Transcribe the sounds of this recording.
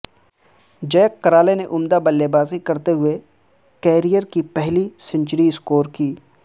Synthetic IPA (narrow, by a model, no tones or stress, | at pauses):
d͡ʒɐːkːɐɾaːleneʔʊmd̪abɐlːebaːzikɐɾt̪eɦʊe | kɛːɾijəɾkipɛɦlisɪ̃ɲt͡ʃɾiɪskoːɾkiː